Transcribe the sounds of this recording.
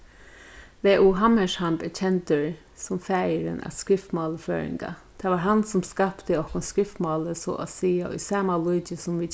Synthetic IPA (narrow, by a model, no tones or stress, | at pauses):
ʋeːʔuːɦamɛʂhampɛt͡ʃʰɛnt̪əɹ | sʊmfæːjəɾə̰nʔa̰skɹɪft̪mɑːləfø̰ːɹɪ̰ŋka̰t̪ʰaːʋaɹɦansʊmskapt̪əɔhkʊnskɹɪft̪mɑːləsɔ̰ʔa̰siːaʔʊ̰sɑːmalʊːt͡ʃəsʊmʋi